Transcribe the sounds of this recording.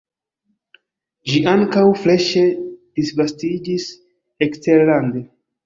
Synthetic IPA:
ʒiʔaŋkawfle̞ʃedisvastid͡ʒis | eksteɾlande

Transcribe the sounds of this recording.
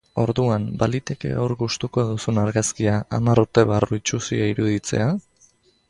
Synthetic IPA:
o̞ɾðuambalit̪e̞ke̞̰owɾɣust̪uko̞ðusunaɾɣaskiaamaɾruɾt̪e̞β̞aruit͡ʃusḭaiɾuðit͡se̞̰a

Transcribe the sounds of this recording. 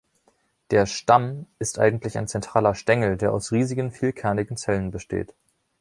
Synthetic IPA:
d̥eːɐʃtamɪstʔa̰ɪɡŋ̩tlɪça̰ɪnt͡sɛntʁ̥aːlɐʃtɛŋl̩deːɐʔa̰ʊsʁiːzɪɡənfiːlkʰɛɐnɪɡŋ̩t͡sɛlənbəʃtḛːt

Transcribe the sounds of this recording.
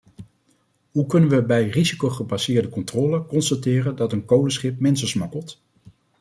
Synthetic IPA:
ɦukɵnənʋəbɛjrizikowχəbasɪːɹdəkɔntrɔːləkɔnstatɪːrəndɑtənkowləsχɪp̚mɪnsəsmɑkəlˠt

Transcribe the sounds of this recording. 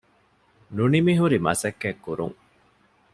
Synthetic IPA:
nunimiɦuɾimɐ̰sɐkːekːuɾṵŋ

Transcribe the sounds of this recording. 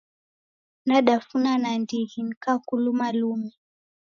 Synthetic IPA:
naɗafunanandiɣiŋ̩kakulumalumi

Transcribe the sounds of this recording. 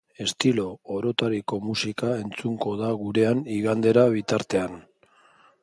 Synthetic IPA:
e̞st̪ilo̞ːɾo̞t̪aɾiko̞musikae̞nt͡suŋɡo̞ðaɣuɾe̞aniɣand̪e̞ɾaβ̞it̪aɾt̪e̞an

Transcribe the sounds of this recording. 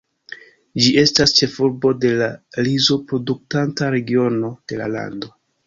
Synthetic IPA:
d͡ʒiʔe̞stast͡ʃe̞fuɾbo̞de̞laɾizo̞pɾo̞duk̚tantaɾe̞ɡio̞no̞d̥e̞la̰la̰ndo̞

